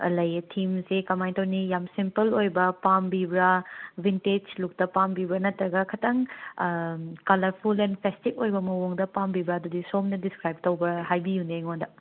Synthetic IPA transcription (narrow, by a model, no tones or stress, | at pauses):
lɐjtʰimsekɐmajtɐwnijamsimpɐlojbɐpambibɾɐbinted͡ʒluk̚tɐpambibɾɐnɐtːɾɐɡɐkʰɐtʰɐŋ | kɐlɐɾpʰulenpʰestikojbɐmɐwoŋdɐpambibɾɐːdudisomnɐdiskɾajb̚tɐwbɾɐɦajbijuneŋondɐ